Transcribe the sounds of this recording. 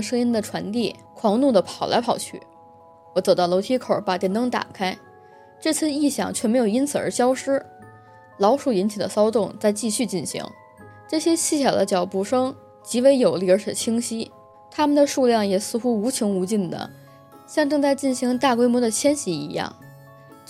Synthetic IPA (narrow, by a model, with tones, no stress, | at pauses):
ʂɤ˥ŋi˥nd̪ə˨ʈ͡ʂʰwa˧˥nt̪i˥˩kʰwɑ˧˥ŋnu˥˩d̪ə˩pʰɑ˨˩ʊlʔa˧˥ɪpʰɑ˨˩ʊt͡ɕʰy̰˥˩ | wɔ˧˩t͡so˨˩ʊt̪ɑ˥˩ʊlo˧˥ʊt̪ʰi˥kʰo˨˩˦ʊpa˨˩t̪jɛ˧˥nt̪ɤ˥ŋt̪a̰˨˩kʰa˥ɪ | ʈ͡ʂɤ˥˧t͡sʰɹ̩˥˧i˥˩ɕjɑ̰˥˩ŋt͡ɕʰɥɛ˥˩me˧˥ɪjo˨˩i˥nt͡sʰɹ̩˨˩ə̰˞˧˥ɕjɑ˥ʊʂɻ̩˥ | lɑ˧˥ʊʂu˥˩i˧˥nt͡ɕʰi˨˩d̪ə̰˦sɑ˥ʊt̪ʊ˥˧ŋt͡sa˥˧ɪt͡ɕi˥˧ɕy˥˧t͡ɕi˥˩nɕḭ˧˥ŋ | ʈ͡ʂɤ˥˩ɕjɛ˥t͡ɕʰi˥˩ɕʰjɑ˨˩d̪ə̰˦t͡ɕjɑ˨˩ʊpu˧˩ʂɤ˥ŋ | t͡ɕi˧˥we˧˥ɪjo˨˩ʊli˥˩ə˞˧˥ʂə̰˨˩t͡ɕʰi˥ŋɕi˥ | t̪ʰa˥mə˨nd̪ə˩ʂu˥˧ljɑ˥˩ŋjɛ˨˩sɹ̩˥˧xu˥u˧˥t͡ɕʰi˧˥ŋu˧˥t͡ɕi˥˩nd̪ə̰˩ | ɕjɑ˥˧ŋʈ͡ʂɤ˥˧ŋt͡sa˥˧ɪt͡ɕi˥˩nɕi˧˥ŋt̪a˥˩kwe˥ɪmwɔ˧˥d̪ə˨t͡ɕʰjɛ˥nɕi˧˥ḭ˧˥jɑ̰˥˩ŋ